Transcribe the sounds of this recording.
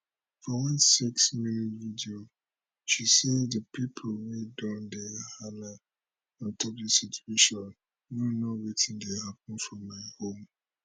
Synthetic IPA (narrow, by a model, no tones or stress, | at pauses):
fɔwɛ̃nseksminitvidio | ʃisɛdðəpʰipʰolwedãndɛhala | ãntʰɔk̚disitʰueʃɔ̃n | jonowitʰĩndehap̚nfɹɔ̃mːaɪhõm